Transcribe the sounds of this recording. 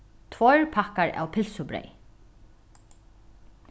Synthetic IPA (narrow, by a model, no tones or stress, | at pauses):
t̪ʰvɔɹpʰakaɹa̰wpʰɪlsʊbɾɛ̰j